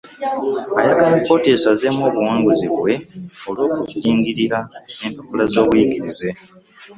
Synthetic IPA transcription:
ajakaniko̞te̞saze̞mo̞ːβuwaːŋɡuziβwe̞o̞lwo̞ːkuiːŋɡiɾiɾaempokolazo̞ːβujiɡiɾize̞

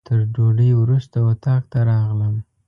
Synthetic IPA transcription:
t̪ʰəɾɖoɖəjwɾust̪awat̪ɑk̚t̪aɾɑɣləm

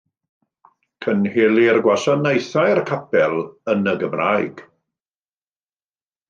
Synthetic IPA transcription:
kʰənheːlˠirɡwaʃanejθajrkʰapɛlˠənəɡəmraːjɡ̥

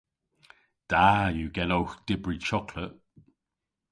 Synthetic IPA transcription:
d̥ajuɡɛlowxd̥ɪbɹit͡ʃɔkʰləʔ

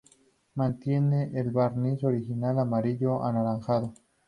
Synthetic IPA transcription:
mant̪jeneʔelβaɾnisoɾixinalamaɾiʎoʔa̰naɾaŋxaðo

